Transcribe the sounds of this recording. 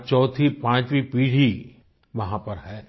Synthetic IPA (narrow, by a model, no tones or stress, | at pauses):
t͡ʃɔːt̪ʰipãːt͡ʃʋipiːɽ̤i | ʋɐɦãpɐɾɦɛː